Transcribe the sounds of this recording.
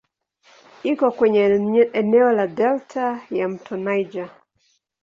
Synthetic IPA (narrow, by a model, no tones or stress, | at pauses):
ikɔkwɛɲɛɛnɛɔladɛltʰajam̩tʰɔnajd͡ʒa